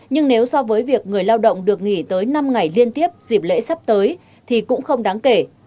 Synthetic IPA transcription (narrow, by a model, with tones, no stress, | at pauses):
ɲɨ˧ŋne˨˦wsɔ˧vəː˨˦jvi˨˩ək̚ŋɨ˨˩əjlaː˧wɗə̰˧˨wŋ͡mɗɨ˨˩ək̚ŋḭ˧˩t̪əː˨˦jna˧mŋa˨˩jli˧ənt̪i˦˥əp̚zi˨˩p̚lḛ˧˥sa˦˥p̚t̪əː˨˦j | t̪ʰi˨˩kʊ̰˧˥ŋ͡mxə˧wŋ͡mɗaː˨˦ŋke˧˩